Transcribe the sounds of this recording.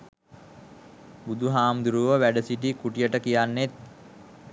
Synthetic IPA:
bud̪uɦaːmd̪uɾuʋəʋæɖəsiʈikuʈijəʈəkijanːet̪̚

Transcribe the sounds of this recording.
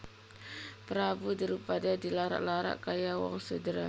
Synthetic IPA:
pəɾabudaɾipadadilaɾa̰ʔlaɾa̰ʔkajawa̰ŋsədəɾa

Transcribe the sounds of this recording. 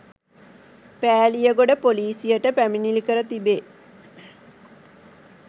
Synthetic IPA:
pæːlijəɡoɖəpoliːsijəʈəpæminilikəɾət̪ibe

